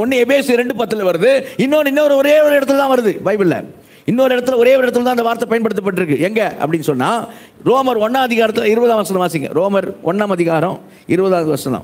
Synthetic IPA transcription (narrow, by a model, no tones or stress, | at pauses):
ɔnːɯɛbeːsɾɛɳɖɯpɐt̪ːɯlʋɐɾɯðɯɪnːoːɾɪnːoːɾɯɔɾeːʋɔɾɪɽɐt̪ːɯlt̪ãːʋɐɾɯðɯbɐɪbɪlːɐ̰ | ɪnːoːɾɯɪɽɐt̪̬ːɪlɐɔɾeːʋɔɾɪɽɐt̪ːɯlt̪ãːndɐʋaːɾt̪ːɐpɐjɐnpɐɽɯt̪ːɐp̬ːɐʈ̬ːɪɾɯkːɯɛŋɡɐʔɐ̰pːɐɽɪnːɯsɔnːaː | ɾoːmɐɾɔnːaːmɐðɪɣaːɾɐt̪ːɯlɪɾɯbɐðaːʋɐsɐlɐ̃ʋaːsiŋɡɐ̰ɾoːmɐɾɔnːaːmɐðɪɣaːɾɐ̃ | ɪɾɯbɐðaːd̪ɯʋɐsɐɐlã̰ː